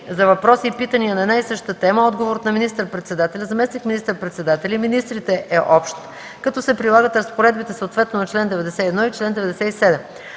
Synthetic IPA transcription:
zɐvɐpɾɔsiːpit̪əniənɐɛd̪naisɤʃt̪ət̪ɛməɔd̪ɡovoɾot̪nɐminist̪əɾpɾɛt̪sɛd̪at̪ɛlʲɐzɐmɛsnikminist̪əɾpɾɛt̪sɛd̪at̪ɛlʲiminist̪ɾit̪ɛʔɛʔɔpʃt̪ | kɐt̪ɔsɛpɾilˠaɡət̪ɾəspoɾɛd̪̚bit̪ɛsəot̪vɛt̪nonɐt͡ʃlɛnd̪ɛvɛd̪ɛsɛiɛd̪nɔit͡ʃlɛnd̪ɛvɛd̪ɛsɛisɛd̪ɛm

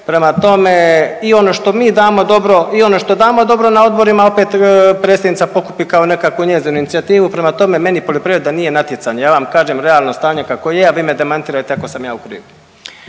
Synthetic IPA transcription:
pɾe̞mat̪o̞me̞io̞no̞ʃt̪o̞miːd̪aːmo̞d̪o̞bɾo̞io̞no̞ʃt̪o̞d̪aːmo̞d̪o̞bɾo̞nao̞d̪bo̞ɾimao̞peːt̪pɾe̞ːst̪ad̪nit̪sapo̞ku̥pikaone̞kakʋuɲeːziːnuinit̪siat̪iːʋupɾe̞mat̪o̞me̞me̞nipoʎopɾiːɾed̪anije̞nat̪jet̪saɲejaːʋamkaːʒeːmɾeaːlˠno̞st̪aːɲe̞kakojeaʋimed̪emant̪iːɾajt̪eako̞samja̰ːukɾḭːʋu

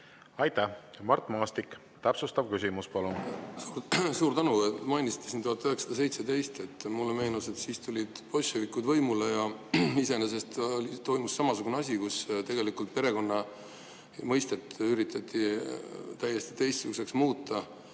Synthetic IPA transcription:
ɑjt̪ːæmɑrt̪ˑmɑːst̪ikː | t̪æpsust̪ɑb̥̚kysʲimuspɑlunː | suːɾt̪ænumɑjnʲisi̥t̪ːˑesint̪uhɑt̪ːˑøhɦeksɑ̥d̪ɑs̬e̞jt̪se̞d̪e̞jst̪e̞t̪ːˑmulːeme̞ːnuse̞t̪siːst̪ulʲid̪̥po̞sʲovikːud̪vɤjmulejɑise̞nes̬e̞st̪olʲit̪o̞jmusːɑmɑsuɡ̥uneɑs̬ʲikust̪e̞ɡe̞likult̪̚pe̞ɾe̞ko̞nːɑ | mɤjst̪et̪ːyɾit̪ʰːˑɑt̪ʲːˑi | t̪æjːe̞st̪i̥t̪e̞jst̪suɡuse̞ksmuːt̪ːˑɑ

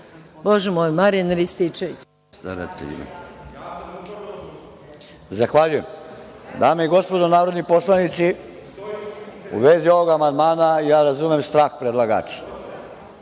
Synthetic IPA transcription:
boʒɛmoːjmaɾijanɾist̪it͡ʃeʋit͡ɕ | st̪a̰ɾa̰t̪ḛʎḭmḛ | zaxʋaʎujem | d̪aːmeiɡo̞spo̞d̪onaːɾod̪nipo̞slanit̪si | ṵʋezio̞ʋo̞ɡamand̪maːnaijaːɾazumemst̪ɾaːxpɾed̪lˠaɡa̰ːt͡ʃi̥

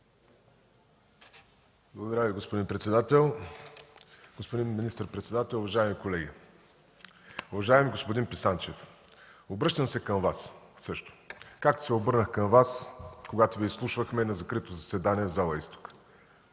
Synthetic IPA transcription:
blˠɐɡʊd̪ɐɾaviɡospʊd̪inpɾɛt̪sɛd̪at̪ɛlˠ | ɡ̥ospod̪inminist̪əɾpɾɛt̪sɛd̪at̪ɛlˠʊvɐʒaɛmikolɛɡʲi | ʊvɐʒaɛmiɡospʊd̪inpisant͡ʃɛf | obɾɤʃt̪əmsɛkəmvassɤʃt̪o̥kak̚t̪ʊ̥sɛobɤɾnəxkəmvaskoɡat̪ovislˠuʃvəxmɛnɐzɐkɾit̪ozɐsɛd̪aniɛvzalˠəist̪o̥k

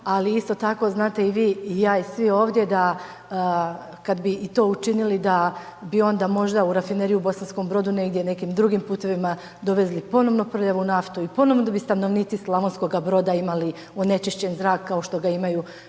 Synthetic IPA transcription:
aliist̪o̞t̪ako̞znaːt̪e̞iʋiːjaːisʋio̞ːʋd̪ʲje̞d̪a | kad̪biːt̪o̞ːut͡ʃinilid̪a | bio̞nd̪aːmo̞ʒd̪auɾafineɾijubo̞sansko̞mbɾo̞d̪une̞ɡd̪je̞ne̞kiːmd̪ɾuɡimpuːt̪e̞ʋima | d̪o̞ʋe̞zlipo̞no̞ʋno̞pɾrojaʋunaft̪uipo̞no̞ʋnod̪abist̪ano̞ʋniːt̪sislˠaʋonsko̞ɡabɾo̞d̪aimali | one̞t͡ʃiʃt͡ɕe̞nzɾaːkːao̞ʃt̪o̞ɡaimaju

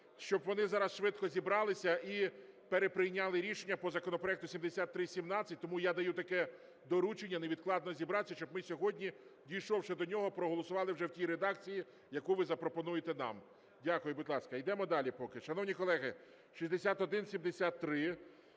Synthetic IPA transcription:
ʃt͡ʃɔbʋɔnɪzɑɾɐsʃʋɪt̪kɔzʲibɾɑlˠɪsʲɐʔipeɾepɾɪjnʲːalˠɪɾʲiʃenʲːɐpɔzɐkɔnɔpɾɔɛk̚t̪ʊsʲimd̪esʲat̪ːɾɪsʲimnɑt͡sʲːɐt̚ʲt̪ɔmujad̪ɐjut̪ɐkɛ | d̪ɔɾut͡ʃenʲːɐneʋʲid̪̚klˠɑd̪nɔzʲibɾɑsʲɐʃt͡ʃɔbmɪsʲɔɦɔdʲnʲidʲijʃɔwʃɛd̪ɔnʲɔɦɔpɾɔɦɔlˠɔsʊʋɑlˠɪwʒɛwtʲijɾed̪ɑk̚t͡sʲiji | jɐkujʋɪzɐpɾɔpɔnujet̪ɛnɑ̰m | dʲakʊjʊbʊd̪lˠɑskɐjd̪ɛmɔd̪ɑlʲipɔkɪʃɐnɔwnʲikɔlˠɛɦɪ | ʃisʲd̪esʲat̪ɔd̪ɪnsʲimd̪esʲat̪ːɾɪ

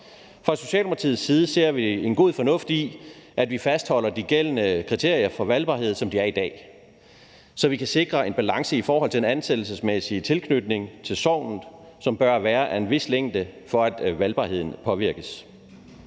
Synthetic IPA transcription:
fʁɑ̈so̝̥ɕɛ̰ːlopʰɑt͡sʰḭð̩ˠsːiːð̞ˠəse̝ɐ̰ʋie̝nɡ̥o̝ð̰ˠfɒ̽nɔ̽fd̥iʔæd̥ʋifæsd̥hɒ̽l̰ɐd̥iɡ̥el̰ənəkʰʁit͡sʰe̝ɐ̰jɐfɒ̽ʋælb̥ɑ̈ːɦe̝ð̰ˠsɒ̽md̥iæɐid̥ɛ̰ː | sɒ̽ʋikʰæse̝ɡ̥ʁɐe̝nb̥ælɑ̈ŋsəifɒːɦɒ̽l̰t͡sʰe̝d̥enænsed̥l̩s̬əsmesit͡sʰe̝lkʰnød̥ne̝ŋt͡sʰe̝lsɒʊ̰nn̩ˠsɒ̽mb̥ɶɐʋæːɐʔæe̝nʋe̝sleŋ̰d̥əfɒ̽æd̥ʋælb̥ɑ̈he̝ð̰ˠn̩pʰɒ̽ʋiɐɡ̥əs

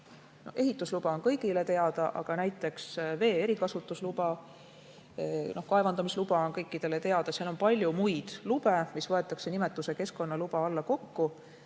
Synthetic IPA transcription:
nohe̞ɦit̪ˑːuslub̥ɑo̞nkɤjɡ̥ile̞t̪e̞ɑd̪̥ɑʔɑ̰ɡ̥ɑnæjt̪ːˑe̞ksve̞ːeɾikɑsut̪ːˑuslubɑ | no̞hkɑe̞vɑnd̪ɑmislub̥ɑonkɤjkˑːid̪̥e̞le̞t̪e̞ɑd̪̥ɑsiɑlo̞npɑlʲjumujd̪̥lub̥e̞misvɤe̞t̪ːˑɑkse̞nime̞t̪ːˑuse̞ke̞sko̞nːɑlub̥ɑɑlːɑko̞kːu

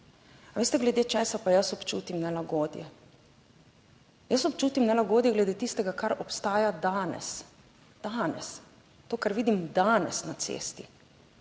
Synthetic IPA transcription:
aʋeːst̪ɛɡlɛd̪eːt͡ʃɛːsapajəsɔpt͡ʃuːt̪imnɛlaɡoːd̪jɛ̰ | jəsɔpt͡ʃuːt̪imnɛlaɡoːd̪jɛɡlɛd̪eːt̪ist̪ɛɡakaɾɔpst̪aːjad̪aːnɛ̰s | d̪̥aːnɛ̰s | t̪oːkaɾʋiːd̪imd̪aːnɛsnat̪sḛːst̪i

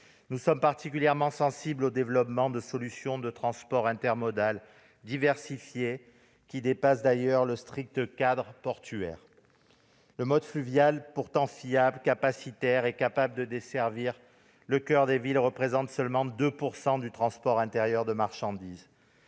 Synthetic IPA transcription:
nusɔmpaʁt̪ikʲyljɛʁmɑ̃sɑ̃siblod̪evlɔpmɑ̃d̪əsɔlysjɔ̃d̪ət̪χɑ̃spɔʁɛ̃t̪ɛʁmɔd̪al | d̪ivɛʁsifje | kʲid̪epasd̪ajœʁləst̪χik̚t̪əkad̪ʁəpɔʁt̪yɛ̰ʁ | ləmɔd̪flyvjalpuʁt̪ɑ̃fiablkapasit̪ɛʁɛkapabləd̪əd̪esɛʁviʁ | ləkœʁd̪evilʁəpχezɑ̃t̪sœlmɑ̃d̪øpuʁsɑ̃d̪yt̪χɑ̃spɔʁɛ̃t̪eʁjœʁd̪əmaʁʃɑ̃d̪iz

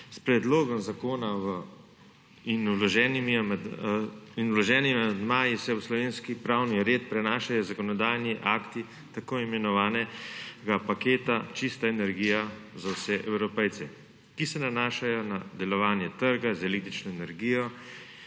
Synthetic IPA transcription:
spɾɛd̪loːɡɔmzakoːnaw | inwlɔʒɛːnimim | inwlɔʒɛːnimamɛd̪maːjisɛwslɔʋeːnskipɾawniɾeːt̪̚pɾɛnaːʃajɔzakɔnɔd̪aːjniʔaːkt̪i | t̪akoːimɛnɔʋaːnɛɡapakeːt̪at͡ʃist̪aɛnɛɾɡijazawsɛʔɛwɾɔpɛjt̪sɛ | kisɛnanaːʃajɔnad̪ɛlɔʋaːnjɛt̪əɾɡazɛlek̚t̪ɾit͡ʃnɔɛnɛɾɡijɔ

